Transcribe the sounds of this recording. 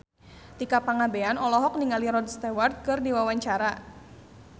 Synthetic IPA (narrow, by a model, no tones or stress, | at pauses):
t̪ikapaŋabeanɔlɔɦɔk̚niŋaliɾɔd̚st̪award̪̚kɨrniwawaɲt͡ʃaɾa